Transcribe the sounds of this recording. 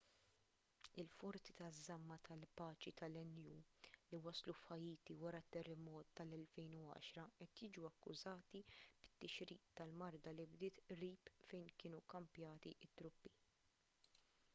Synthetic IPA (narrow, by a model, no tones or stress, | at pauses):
ɪlfɔɾt͡si̥t̪ɐzːɐmːɐt̪ʰɐlpɐːt͡ʃit̪ɐlɛnːjuːliwɐslufħɐjiːt̪iwɐɾɐt̪ːɛrːɛmɔːt̪ːɐlɛlfɛjnuɐ̰ːʃɾɐʔɛt̪jiːd͡ʒuɐkːʊ̰zɐːt̪ib̥ɪ̥t̪ːɪʃɾiːt̪ːɐlmɐɾd̪ɐlibd̪ɪːt̪ɾiːpfɛjnkɪːnukɐmpjɐːt̪iʔɪt̪ːɾʊpːi